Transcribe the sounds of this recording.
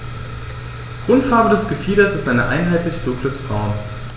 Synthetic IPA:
ɡ̥ʁʊntfaɐbədɛsɡ̥əfiːdɐsɪstʔaɪnəʔa̰ɪnɦaɪtlɪçd̥ʊŋkləsb̥ʁaʊn

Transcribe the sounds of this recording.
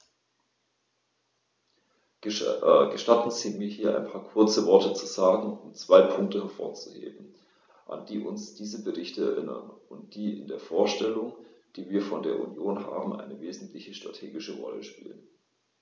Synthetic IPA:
ɡ̥əʃtatn̩ziːmiːɐɦiːɐʔa̰ɪnpʰaːɐkʰʊɐt͡səvɔɐtət͡suzaːɡŋ̩ʔʊmt͡sv̥aɪpʰʊŋk̚təhɛɐfo̰ːɐt͡suhḛːbm̩ | ʔa̰nd̥iːʔʊnsd̥iːzəbəʁɪçtəɛ̰ɐʔɪnɐ̰nʔʊnt̚d̥iːɪ̰ndeːɐfoːɐʃtɛlʊŋd̥iːviːɐfɔndeːɐʔṵnjoːnɦa̰ːbm̩ʔa̰ɪnəveːzn̩tʰlɪçəʃtʁ̥a̰tʰeːɡɪʃəʁɔ̰lə̰ʃpḭːlən

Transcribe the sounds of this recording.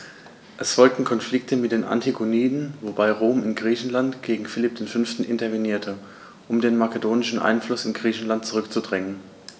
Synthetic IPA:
ʔɛsfɔlk̚tn̩kʰɔnflɪk̚tʰəmɪt̚d̥eːnʔa̰ntʰiɡoniːdn̩vobaɪʁoːmɪnɡʁiːçn̩lantɡ̥eːɡŋ̩fɪlɪp̚d̥eːnfʏnftn̩ʔɪ̰ntɐveniːɐtʰə | ʔʊmdeːnmakədoːnɪʃn̩ʔa̰ɪnflʊsɪnɡʁiːçn̩lant̚t͡suʁʏkt͡sudʁɛŋən

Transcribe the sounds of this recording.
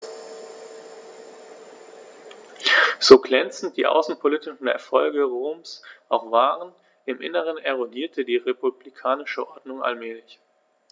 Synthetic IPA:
z̥oːɡlɛnt͡sn̩t̚d̥iːʔa̰ʊsn̩pʰolitɪʃn̩ɛ̰ɐfɔlɡəʁoːmsʔaʊxv̥aːʁən | ɪmʔɪ̰nəʁ̞ənʔɛʁodiːɐtʰədiːʁepublikʰaːnɪʃəʔɔɐdnʊŋa̰lmɛːlɪç

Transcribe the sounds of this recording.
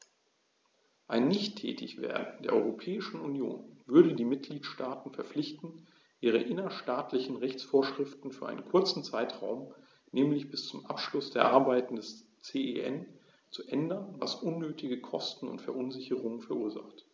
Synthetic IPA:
ʔaɪnːɪçtʰːɛ̰ːtʰɪ̰çv̥ḛːɐdn̩d̥eːɐʔɔʏʁopʰɛːɪʃn̩unjo̰ːnvʏɐɾədiːmɪt̚ɡ̥liːtʃtaːtn̩fɛɐflɪçtn̩ | ʔiːʁ̞ə̰ʔɪnɐʃtaːtʰlɪçn̩ʁɛçt͡sfoːɐʃʁ̥ɪftn̩fyːɐʔa̰ɪnənkʰʊɐt͡sn̩t͡saɪtʁ̥a̰ʊm | nɛːmlɪçb̥ɪst͡sʊmʔapʃlʊsd̥eːɐʔaɐbaɪtn̩dɛs | t͡seːeʔɛn | t͡suʔɛndɐnva̰sʔʊnːøːtʰɪɡəkʰɔstn̩ʊ̰ntfɛɐʔʊnzɪçəʁ̞ʊŋənfɛɐʔuːɐza̰χt

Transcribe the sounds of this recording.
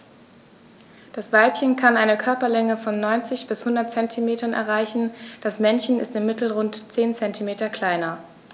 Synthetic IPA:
d̥asv̥aɪlpçənkʰanʔaɪnəkʰœɐpɐlɛŋəfɔnːɔʏnt͡sɪçb̥ɪshʊndɐtt͡sɛntʰimeːtɐnɛ̰ɐʁaɪçn̩d̥asmɛnçn̩ɪstɪmːɪtl̩ʁʊntt͡seːnt͡sɛntʰimeːtɐkʰl̥aɪnɐ

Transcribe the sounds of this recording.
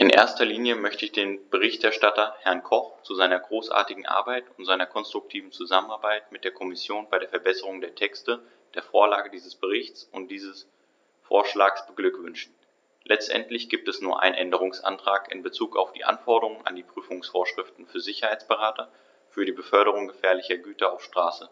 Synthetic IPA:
ʔɪnʔḛːɐstɐliːnjəmœçtəɪçd̥eːnb̥əʁ̞ɪçtʔɛɐʃtatɐhɛɐnkʰɔχt͡suzaɪnɐɡʁoːsʔa̰ːɐtɪɡŋ̩ʔa̰ɐbaɪtʊntz̥aɪnɐkʰɔnstʁ̥ʊk̚tʰiːvn̩t͡suzamənaɐbaɪtmɪt̚d̥eːɐkʰɔmɪsjoːnbaɪɾeːɐfɛɐbɛsəʁʊŋdeːɐtʰɛkstə | d̥eːɐfoːɐla̰ːɡədiːzəsb̥əʁ̞ɪçt͡sʊnt̚d̥iːzəs | fo̰ːɐʃlaːksb̥əɡlʏkv̥ʏnʃn̩ | lʔɛt͡stʔɛ̰ntlɪçɡ̥iːp̚tɛsnuːɐʔa̰ɪnənʔɛndəʁ̞ʊŋsʔa̰ntʁ̥aːkɪ̰nbət͡suːka̰ʊfd̥ḭːʔa̰nfɔɐdəʁʊŋŋa̰ndiːpʁ̥yːfʊŋsfoːɐʃʁ̥ɪftn̩fyːɐzɪçɐhaɪt͡sb̥əʁaːtʰɐ | fyːɐɾiːbəfœɐɾəʁ̞ʊŋɡəfɛːɐlɪçɐɡyːtɐa̰ʊfʃtʁ̥aːsə

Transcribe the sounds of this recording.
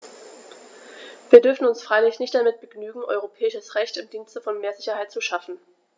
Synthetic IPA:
viːɐdʏɐfn̩ʊnsfʁ̥aɪlɪçnɪçtd̥amɪt̚b̥əɡnyːɡŋ̩ʔɔ̰ʏʁopʰɛːɪʃəsʁɛçtʊnd̥iːnstəfɔnmeːɐzɪçɐhaɪtt͡suʃafn̩

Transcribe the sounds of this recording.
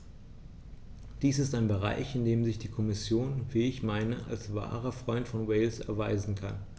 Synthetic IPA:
d̥iːsɪstaɪnbəʁa̰ɪçɪndeːmzɪçd̥iːkʰɔmɪsjoːnviːɪçmaɪnəʔa̰lsv̥a̰ːʁ̞ɐfʁ̥ɔʏntfɔnwɛɪlsɛ̰ɐvaɪzn̩kʰan

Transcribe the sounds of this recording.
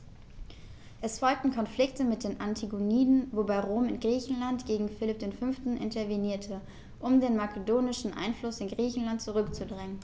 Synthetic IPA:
ʔɛsfɔlk̚tn̩kʰɔnflɪktəmɪt̚d̥eːnʔantʰiɡoniːdn̩vobaɪʁoːmɪ̰nɡʁiːçn̩lantɡ̥eːɡŋ̩fɪlɪp̚d̥eːnfʏnftn̩ʔɪ̰ntɐɐveniːɐtʰə | ʔʊmdeːnmakʰədoːnɪʃn̩ʔa̰ɪnflʊsɪnɡʁiːçn̩lant̚t͡suʁʏkt͡sudʁɛŋən

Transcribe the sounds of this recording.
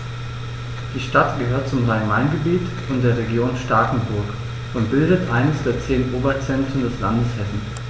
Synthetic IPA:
d̥iːʃtatɡ̥əɦøːɐt̚t͡sʊmʁaɪmaɪnɡəbiːt | ʊntd̥eːɐʁeɡjoːnʃtaɐkŋ̩bʊɐk | ʔʊnt̚b̥ɪldətʔaɪnəsd̥eːɐt͡seːnʔoːbɐt͡sɛntʁ̥əndɛslandəshɛsn̩

